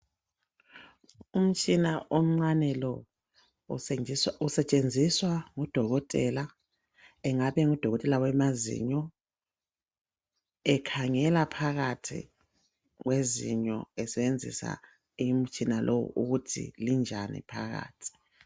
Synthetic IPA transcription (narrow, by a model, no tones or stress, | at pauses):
um̩t͡ʃʼinaʔom̩ŋ͡ǀanɛlɔ | usɛt͡ʃʼend͡zʱiswaŋɔd̥ʱɔɣɔtʼɛla | ɛŋaβɛŋud̥ʱɔɣɔtʼɛlawɛmazḭɲɔ | ɛkʰaŋɛlapʰaɣatʰḭ | ɣwezḭɲɔ̰ɛsɛβend͡zʱḭsa̰ | im̩t͡ʃʼinalʔɔw̰ṵɣutʰḭlind͡ʒʱanḭpʰaɣa̰ːtʰi̥